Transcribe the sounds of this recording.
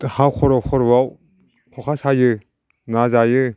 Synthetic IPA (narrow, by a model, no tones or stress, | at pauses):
hawkʰɔɾɔkʰɔɾwaw | kʰɔkʰasajɯ | nazajɯ